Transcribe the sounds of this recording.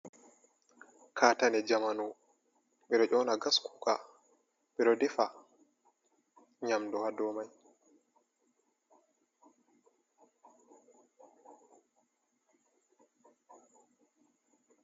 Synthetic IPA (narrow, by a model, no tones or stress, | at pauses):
kʰaːtanɛd͡ʒamanu | miɗɔʔɔːnaɡasku̥ka | miɾɔdɛfa | ɲamdɔhadɔmaj